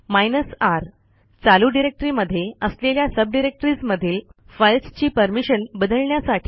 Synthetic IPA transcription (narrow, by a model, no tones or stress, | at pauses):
majnəsaɾ | t͡saluɖiɾek̚ʈɾiːməd̪ʱːjeəsleljasəb̚ɖiɾek̚ʈɾiːsməd̪ʱiːlfəjlst͡ɕiːpəɾmiɕənbəd̪ʱəɭɳjasaʈʰi̥